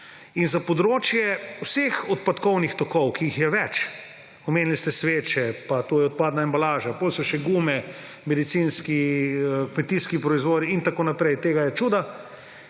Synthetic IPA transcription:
inzapɔd̪ɾoːt͡ʃjɛwsexɔt̪pat̪kɔwnixt̪ɔkɔwkiixjɛʋɛt͡ʃ | ɔmeːnlist̪ɛsʋeːt͡ʃɛpat̪ojɛɔt̪̚paːd̪naɛmbalaːʒapolsɔʃɛɡuːmɛ | mɛd̪it̪sinskiəkmɛt̪iskipɾɔizʋoːd̪iint̪akoːnapɾɛjt̪eːɡajɛt͡ʃuːd̪a

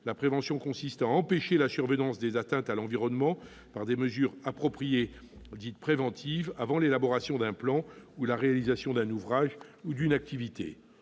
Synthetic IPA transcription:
lapχevɑ̃sjɔ̃kɔ̃sist̪aɑ̃peʃelasyʁvənɑ̃sd̪ezat̪ɛ̃t̪alɑ̃viʁɔnmɑ̃ | paʁd̪eməzyːʁapχɔpχijed̪it̪pχevɑ̃t̪ʰivavɑ̃lelabɔʁasjɔ̃d̪ɛ̃plɑ̃ulaʁealizasjɔ̃d̪ɛ̃nuvʁaʒud̪ynak̚t̪ivit̪ḛ

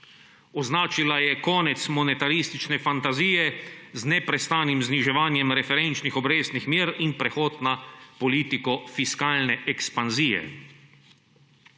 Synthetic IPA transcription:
ɔznaːt͡ʃilajɛkɔːnɛt̪smɔnɛt̪aɾist̪it͡ʃnɛfant̪aziːjɛznɛpɾɛst̪aːnimzniʒɛʋaːnjɛmɾɛfɛɾɛnt͡ʃnixɔbɾeːsnixmiːɾinpɾɛxɔːt̪napɔliːt̪ikɔfiskaːlnɛʔɛkspanziːjɛ̰

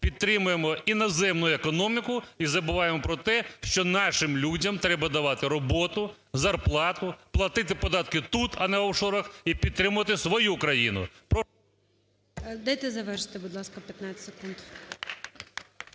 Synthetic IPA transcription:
pʲid̪̚t̪ɾɪmʊjemɔinɔzɛmnʊjʊekɔnɔmʲikʊizɐbʊʋɑjemɔpɾɔt̪ɛʃt͡ʃɔnɑʃɪmlʲudʲɐmt̪ɾɛbɐd̪ɐʋɑt̪ɪɾɔbɔt̪ʊ | zɐrplˠɑt̪ʊplˠɐt̪ɪt̪ɪpɔd̪ɑt̪̚kɪt̪ut̪ɐnɛʋɐwʃɔɾɐxipʲid̪̚t̪ɾɪmʊʋɐt̪ɪsʋɔjukɾɐjinʊ̰pɔ | d̪ɐjt̪ɛzɐʋɛrʃɪ̥t̪ɪbʊd̪lˠɑskɐpʲjɐt̪nat͡sʲsekund̪

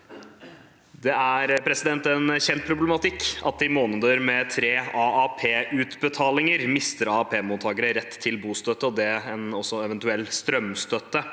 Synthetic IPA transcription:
d̪ɛæɾpʰɾɛsɪd̪ɛnt̪ɛnçɛnt̪̚pʰɾʊblɛmɑt̪ɪkːɑ̰t̪ɪmoːnəd̪əɾmɛt̪ʰɾeːɑɑpʰeːʔʉt̪bət̪ʰɑːlɪŋəɾmɪst̪əɾɑɑpʰeːmuːt̪ʰːɑːɡəɾəɾɛt̪ʰːɪlbuːst̪œt̪ːəɔd̪ɛɛnɔsːɔɛʋɛnt̪ʉɛlːst̪ɾœmst̪œt̪ːə

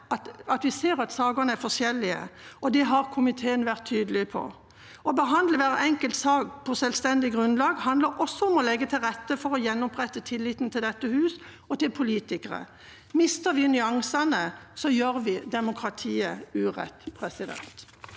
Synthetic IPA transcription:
ɑt̪ɑt̪ʋɪseːɾɑt̪sɑːɡʊnəæfɔʂjɛlːɪə̰ɔd̪ɛɦɑɾkʰʊmɪt̪ʰeːənʋæʁt̪ʰːyːd̪əlɪpʰɔ̰ | ɔbəɦɑnd̪ləʋæːɾəɛŋkəlt̪sɑːɡpʰɔsɛlst̪ɛnd̪ɪɡʁʉnlɑːɡhɑnd̪ləɾʔɔsːɔɔmɔlɛɡːət̪ʰɪlʁɛt̪ːəfɔɾɔjɛnːʊpʁɛt̪ːət̪ʰɪlːiːt̪nt̪ʰɪld̪ɛt̪ːəhʉːs | ɔt̪ɪlpʰʊliːt̪ɪkəʁə̰ | mɪst̪əʋɪnʏɑŋsɑnəsɔjøːɾʋɪd̪ɛmʊkʰɾɑt̪ʰiːəʉːʁɛ̰t̪ːpʰʁɛsɪd̪ɛ̰nt̪

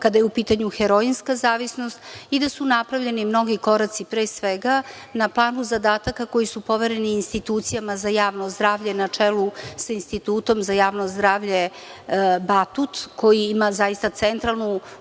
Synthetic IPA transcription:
kad̪ajeupiːt̪aɲuxeɾoinskazaːʋisno̞st̪id̪asunapɾavʎe̞nimno̞ɡiko̞ɾat̪sipɾeːsʋeɡa | naplˠaːnuzad̪aːt̪akako̞jisupo̞ʋeɾe̞niːnst̪it̪uːt̪sijamazajaːʋno̞zd̪ɾaːʋʎe̞nat͡ʂelusainst̪it̪uːt̪o̞mzajaːʋnozd̪ɾaːʋʎe̞ | bat̪ut̪ko̞jiimazajist̪at̪sent̪ɾalˠnu

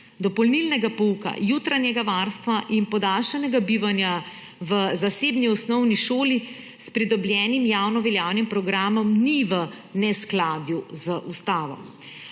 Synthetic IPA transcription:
d̪ɔpɔlnilnɛɡapɔuka̰juːt̪ɾanjɛɡaʋaɾst̪ʋaʔinpɔd̪aːlʃɛnɛɡabiːʋanja | ʋəzaseːbniɔsnɔwniʃoːli | spɾid̪ɔbljɛːnimjawnɔʋɛljaːwnimpɾɔɡɾaːmɔmniʋə | nɛsklaːd̪juzəʔust̪aːʋɔ̰m

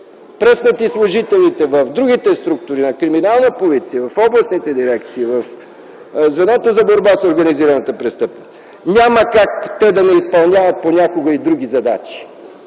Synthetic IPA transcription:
pɾəsnət̪islˠoʒit̪ɛlit̪ɛvəvd̪ɾuɡit̪ɛst̪ɾuk̚t̪ʊɾinɐkɾiminalˠnəpozit̪siəvɐfɔblˠɐsnit̪ɛd̪iɾɛkt̪siːvəf | zvɛnɔt̪ozɐboɾbasoɾɡɐniziɾɐnət̪əpɾɛst̪ɤpnost̪ | nʲaməkakt̪ɛd̪ɐnɛispɐlˠnʲavɐt̪̚ponʲakoɡəid̪ɾuɡʲizɐd̪at͡ʃi̥

